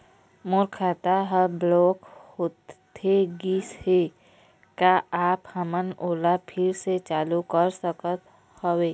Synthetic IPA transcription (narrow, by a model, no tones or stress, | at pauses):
mʊɾkʰaːt̪aɦəblɔːkhoːt̪t̪ʰeɡiːshe | kaaːphəmənoːlapʰɪɾset͡ʃaːlukəɾsəkət̪ | howeː